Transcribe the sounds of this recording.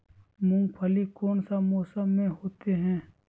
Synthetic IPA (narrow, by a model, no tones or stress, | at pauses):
mʊ̃ŋɡpʰəlikoːnsamɔːsəmːẽɦoːt̪eɦɛ̃ː